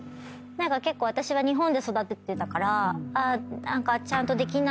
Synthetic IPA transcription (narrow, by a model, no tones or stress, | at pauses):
nãŋkake̞kːoːβat̪aɕiβ̞aɲ̟iɦõnd̪e̞so̞d̪at̪ːet̪ːt̪akaɾaanãŋkat͡ɕãnt̪o̞d̪e̞kʲina